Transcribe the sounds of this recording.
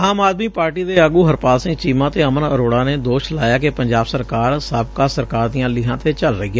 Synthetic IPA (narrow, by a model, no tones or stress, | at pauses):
aːmaːd̪miːpaːɾʈiːd̪eːəɡuːɦəɾpaːlsɪ̃ŋt͡ʃiːmãːt̪eːəmənəɾoːɽãːneːd̪oːʃlaːjaːkepəɲd͡ʒaːbsəɾkaːɾsəbkaːsəɾkaːɾd̪iːãːlɪɦãːt̪eːt͡ʃəlɾəɦiːa